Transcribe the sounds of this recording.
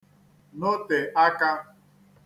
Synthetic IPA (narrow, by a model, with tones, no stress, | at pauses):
nʊ˦te˨ʔa˦ka˦